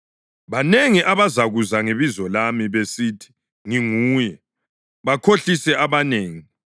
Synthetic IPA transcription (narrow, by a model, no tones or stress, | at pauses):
βaneŋiʔaβazaɣuzaŋeβizɔlamiβesiːtʰi̥ | ŋiŋuːjɛ | βakʰoɬisɛaβaneːŋi